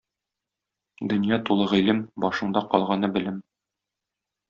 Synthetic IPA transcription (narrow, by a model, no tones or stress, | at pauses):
d̪ɵ̆njɑt̪ulˠɤʁɘ̆lɘmbɒʃɤ̆ɴd̪ɑqɒlˠʁɑnɤbɘ̆lɘm